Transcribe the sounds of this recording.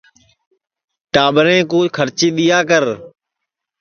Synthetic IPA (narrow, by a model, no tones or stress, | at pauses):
ʈaːbəɾẽːkoːd͡ʒkʰəɾt͡ʃiːɗ̪ɪjaːkəɾ